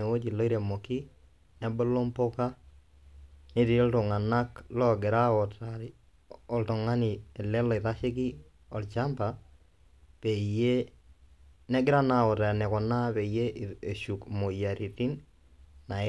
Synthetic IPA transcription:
e˨wo˦d͡ʒi˨lɔ˦i˦ɾe˨mo˨ki˦ | nɛ˦bɔ˦lo˦mpo˦ka˦ | ni˦ti˨i˦ltɔ˨ŋa˨na˦klɔ˦ɡɪ˨ɾa˦ɔ˨ta˨ɾ | ɔ˨ltɔ˨ŋa˦ni˨ɛ˨lɛ˦lɔ˨ɪ˨ɾa˦ʃɪ˦ki˦ | ɔ˨lt͡ʃa˦mba˨ | pe˨je˦ | nɛ˦ɡɪ˦ɾa˦na˨ɔ˨ta˨nɛ˨kɔ˨na˦pe˨je˦ʔe˨ʃu˨kmo˨ja˨ɾi˨ti˦n | na˨

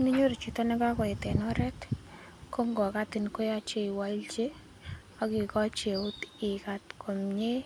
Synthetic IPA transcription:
ni˦ɲo˦ɾi˨t͡ʃu˨ta˦nɪ˦ka˦kɔ˨e˨tɛ˨nɔɾɛ˦t | ko˦ŋɡɔ˨ka˦tɪ˨nko˦ja˦t͡ʃe˦i˨walt͡ʃe˦ | a˨ki˨kɔ˦t͡ʃe˨u˦ti˨katkʰo˨mɲe˦

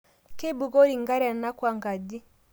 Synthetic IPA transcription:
ke˦bu˨ɡo˦ɾi˨ŋɡa˦ɾa˨na˦kwa˨ŋɡa˨d͡ʒi˦

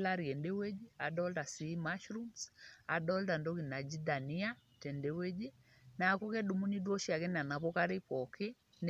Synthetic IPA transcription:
la˦ɾi˨ɛ˨nde˦we˦d͡ʒi˦a˨dɔ˦lta˨si˨˦maʃɾu˦msa˨dɔ˦lta˨ndo˦ɣi˨na˨d͡ʒi˦da˨ni˦a˦tɛ˨ndɛ˨we˦d͡ʒi˦ | na˨a˨ku˦kɛ˦du˨mu˦ni˦dwɔ˦ʃi˦a˨kɛ˦na˨na˨pɔ˦ka˦ɾe˦pɔkʰe˦ | n

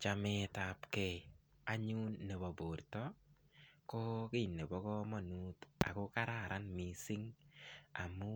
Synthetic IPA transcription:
t͡ʃamɛ˦tapkɛ˦ | a˦ɲu˦nːe˨bɔ˨bo˨rtɔ˦ | ko˦kɪ˦˨nːe˨bɔ˦kɔ˦mɔ˦nu˦ta̰˨ko˦ka˦ɾa˨ɾʔa˦nmi˨si˦ŋ | a̰˨mu˦

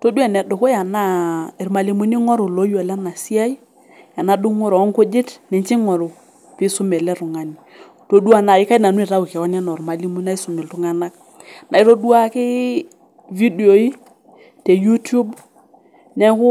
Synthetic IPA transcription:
to˦du˦ɛ˦˨nɛ˨dʊ˨ko˦ja˨na˦i˨ɾma˨li˦mu˦ni˦ŋɔ˦ɾʊ˨lo˦jɔ˨la˦na˨si˦a˦i˦ | ja˨na˦du˦ŋɔ˦ɾɔ˨ɔ˦ŋkʊ˦d͡ʒɪ˦tnɛ˨nt͡ʃi˦ŋɔ˨ɾʊ˨ | pi˦sʊ˦mɛ˨lɛ˦ɾʊ˨ŋa˨ni˨ | to˨du˦a˨na˨ɪ˦ka˦i˦na˨nu˦i˨ɾa˦wu˨kɛ˨kɔ˦na˦nɔ˨ɾma˨li˦mu˦na˦i˦sʊ˨mɛ˨ltʊ˦ŋa˦na˦k | na˨i˦to˦du˦a˦kɪ˦ | vi˦di˨o˨i˦ | te˨ju˦tu˦b | nɛ˦kʊ˦

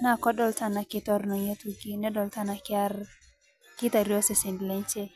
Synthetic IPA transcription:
na˦˨kɔ˦ɗɔ˦lta˦˨na˨kɪ˦tɔ˦ɾnɔ˨jo˦tu˦ɡi˦nɛ˦ɗɔ˨lta˦na˨kɪ˦a˦r | kɪ˦ta˨ɾjɔ˦sɛ˨sɪ˨ndlɛ˦ɲt͡ʃɛ˦

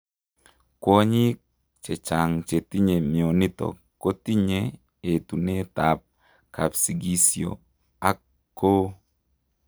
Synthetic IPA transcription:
kwo˦ɲi˦k | t͡ʃe˨t͡ʃa˨ŋt͡ʃe˨ti˦ɲe˨mjo˨ni˦t̪ɔ̰˨ | kːo˦ti˦ɲe˦˨ | e˨t̪u˨ne˦t̪a˨p̚ | ka˨psi˨ɡi˦sjo̰˨ | a˦k | kːo˦

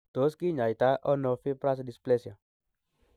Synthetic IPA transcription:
t̪o˨˦ski˦ɲa˨i˨t̪a˦ʔɔ˦nɔ˧fi˦pɾa˦s̬di˨splɛ˦sia˨

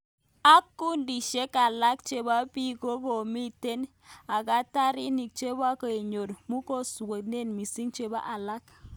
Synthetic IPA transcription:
a˦kːu˦ndi˨ʃe˦ka˨la˦k̚t͡ʃe˨ba˦pi˦ko˦ko˨mi˦te˦n | a˨ka˦ta˦ɾi˦ni˨k̚t͡ʃe˦ba˦ko˨e˨ɲo˨ɾmu˦ko˦su˨wo˨t̚ne˦˨nmi˨si˦ŋt͡ʃe˨ba̰˦ʔa˨la˦k

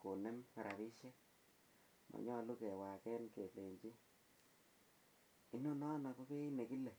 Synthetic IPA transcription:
ko˨nɛ˦ma˨ɾʔa˨βi˦ʃɛ˦ | ma̰˨ɲɔ˦lu˦kɛ˨wa˨kɛ˦nke˨le˨ɲt͡ʃi˦ | i˦no˦nɔ˦na˨ko˦ke˦i˦ne˨ki˦le˨

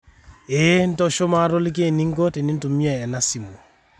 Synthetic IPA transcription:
e˦n̩˦tɔ˦ʃo˦ma˦˨ɾo˦li˦k̬e˦˨ni˦ŋ˦ɡɔ˦te˨ni˦n˦tu˨mi˦a˨ɛ˨na˦si˨mo˨

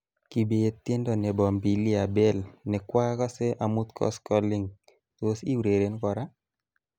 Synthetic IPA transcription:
ki˨be˨e˨t̪e˦ndɔ˨ne˨bɔ˨mbi˨li˦a˨bɛ˦lnɛ˨kwa˦kɔ˦se˦ʔa˨mu˦t̪kʰɔ̰˦skɔ˦li˦ŋ | t̪o˦si˦wɾe˨ɾe˨˦nkɔ˨ɾa˦

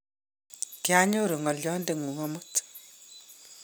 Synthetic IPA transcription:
kja˦ɲo˦ɾu˨ŋɔ˨lɔ˦nde˨ŋu˨ŋɔ˦mu˦t

